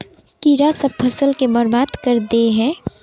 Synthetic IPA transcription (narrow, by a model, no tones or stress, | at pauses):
kiɾasəb̚pʰɐsəlkebəɾbaːd̪kəɾd̪eɦɛ̃ː